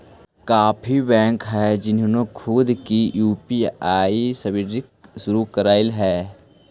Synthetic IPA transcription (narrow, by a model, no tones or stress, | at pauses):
kaːpʰibɛ̃ːŋkɦɛd͡ʒɪnnokʰʊd̪kijuːpiaːisɐbɪɖɪkʃʊɾukəɾaːɪlɦɛː